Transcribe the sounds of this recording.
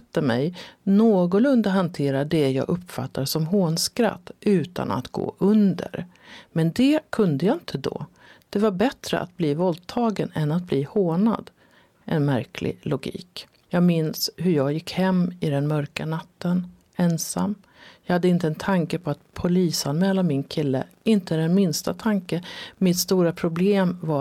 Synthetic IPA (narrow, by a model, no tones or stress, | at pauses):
t̪ːəmɛjnoːɡɔlɵnd̪aɦant̪ʰeːɾaɖɛjɑ̰ːɡʔɵpːfa̰t̪ːasɔmɦoːnskɾa̰t̪ːʉ̟ːt̪ʰa̰na̰t̪ɡ̥o̰ːʔɵnd̪ə̰ɾ | mɛnd̪ɛkʰɵnd̪əjaɪnt̪ʰəd̪o̰ | d̪̥ɛvaɾbɛt̪ɾə̰ʔa̰t̪̚bliːvɔld̪t̪ʰɑːɡənɛnat̪̚bliːhoːɳa̰d̪ | ʔɛnmæɾkʰlɪ̰lʊɡḭːk | jɑːɡmɪnshɵɾjɑːɡjɪkːhɛmːɪd̪ɛnmœɾkanat̪ʰːən | ɛnsa̰mː | jɑɡhad̪ːəɪnt̪əɛnt̪ʰaŋkəpʰɔat̪pʰʊliːsanmɛːlamɪnkʰɪlːə̰ɪnt̪əd̪ɛnmɪnst̪at̪ʰaŋkəmɪt̪st̪uːɾapʰɾʊbleːmva